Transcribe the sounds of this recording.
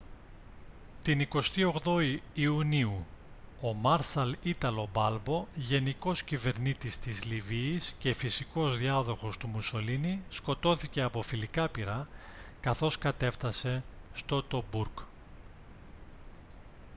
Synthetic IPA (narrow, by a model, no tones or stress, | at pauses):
t̪iniko̞st̪io̞ɣðo̞iːuniu | o̞mɐɾsɐlit̪ɐlo̞bɐlbo̞ʝe̞niko̞scive̞ɾnit̪ist̪izliviːsce̞fisiko̞zðiɐðo̞xo̞st̪umuso̞linisko̞t̪o̞θice̞ɐpo̞filikɐpiɾɐ | kɐθo̞skɐt̪e̞ft̪ɐse̞st̪o̞t̪o̞buɾk